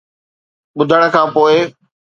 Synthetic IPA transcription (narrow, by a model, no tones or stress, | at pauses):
ɓʊd̪ʱəɽ̃ə̆kʰãːpoːɪ